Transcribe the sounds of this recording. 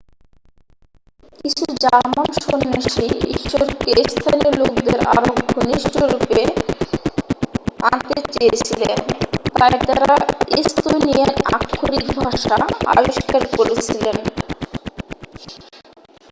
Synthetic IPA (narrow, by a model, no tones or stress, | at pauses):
kit͡ɕʰuɾd͡ʑamanʃonːaʃiḭʃoɾkest̪ʰaniilokd̪eɾa̰ɾoɡʱoniʃʈoɾupe | ant̪et͡ɕejet͡ɕʰilent̪ajd̪aɾaist̪onieɾa̰kʰːuɾikbʱaʃaa̰biʃkaɾkoɾet͡ɕʰilen